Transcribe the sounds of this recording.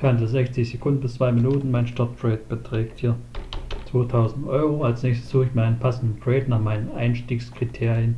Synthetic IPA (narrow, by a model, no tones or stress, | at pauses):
aɐntəzɛçt͡sɪçz̥ekʰʊndn̩bɪst͡sv̥aɪminuːtn̩maɪnʃtaɐt̚pʁ̥ɛːt̚b̥ətʁ̥ɛːkthiːɐt͡sv̥oːtʰaʊzn̩tʔɔʏʁoalsnɛːçstə̥sz̥uːxɪçmaɪnənpʰasn̩dn̩tʁ̥ɛːtnaːχmaɪnənʔa̰ɪnʃtiːkskʁ̥itʰeːʁjən